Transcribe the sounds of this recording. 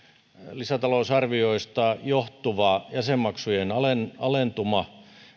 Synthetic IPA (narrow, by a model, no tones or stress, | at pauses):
lisæt̪ɑlousɑrʋioist̪ɑjoht̪uʋɑˑjæsemːɑksujenɑlenɑlent̪umɑ